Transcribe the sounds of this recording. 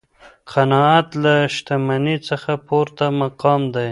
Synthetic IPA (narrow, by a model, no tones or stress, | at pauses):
qʰanɑat̪laʃt̪amanit͡səxapoɾt̪amaqɑmd̪aj